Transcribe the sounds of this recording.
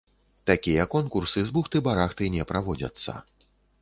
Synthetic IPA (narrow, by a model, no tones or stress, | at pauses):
t̪akʲijɐkɔnkursɨzbuxt̪ɨbaɾaxt̪ɨnʲɛpɾʔavɔd͡zʲɐ̰t̪sːɐ̰